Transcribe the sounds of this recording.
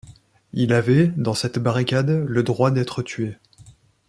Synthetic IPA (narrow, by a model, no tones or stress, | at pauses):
ilavɛd̪ɑ̃sɛt̪baʁikʲad̪ləd̪ʁwad̪ɛt̪χət̪ʰɥe